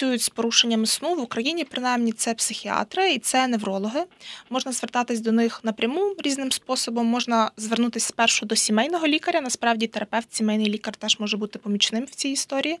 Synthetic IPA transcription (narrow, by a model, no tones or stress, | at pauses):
ujʊtʲspɔɾuʃenʲːɐmɪsnuʋʊkɾɐjinʲipɾɪnɑjmnʲit̪sɛpsɪxʲiɑ̰t̪ɾɪit̪sɛneʋɾɔlˠɔɦɪmɔʒnɐzʋert̪ɑt̪ɪsʲd̪ɔnɪxnɐpɾʲɐmuɾʲiznɪmspɔsɔbɔmːɔʒnɐzʋernut̪ɪsʲspɛrʃʊd̪ɔsʲimɛjnɔɦɔlʲikɐɾʲɐnɐspɾɑwdʲit̪eɾɐpɛwt̪sʲimɛjnɪjlʲikɐrt̪ɛʒ̥mɔʒɛbut̪ɪpɔmʲit͡ʃnɪmw̥t͡sʲijist̪ɔɾʲiji